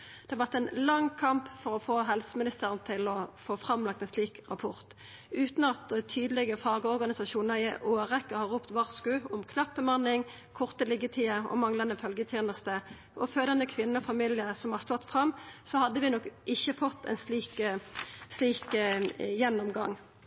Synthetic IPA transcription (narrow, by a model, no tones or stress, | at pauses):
d̪̥ɛʋɑʁt̪ɛnlɑŋkʰɑmpfɔɾɔfoːɦɛlsəmɪnɪst̪əʁənt̪ʰɪlɔfoːfɾɑmlɑk̚t̪ɛnsliːkʁɑpʰɔʁt̪ | ʉːt̪nɑt̪t̪ʰyːd̪əlɪɡəfɑːɡəɔʁɡɑnɪsɑʃuːnəʁɪʔoːʁɛkːəhɑʁːuːpt̪ʋɑʁskʉːɔmkʰnɑpːəmɑnːɪŋ | kʰɔʁt̪əlɪɡːət̪ʰiːəɔ̰mɑŋlɑnd̪əfœlɡət̪ʰjeːnəst̪ə | ʔɔføːd̪ɑnəkʰʋɪnːəɔfɑmiːlɪəsɔmhɑʁst̪ɔt̪ːfʁɑmːsɔhɑd̪ːəʋɪnɔkːʔɪçːəfɔt̪ːɛ̰ɪnsliːk | sliːk | jɛnːɔmɡɑŋː